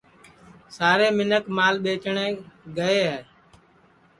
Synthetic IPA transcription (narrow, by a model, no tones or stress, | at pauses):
saːɾeːmɪnəkmaːlɓeːt͡ʃɳẽːɡəeːɦɛː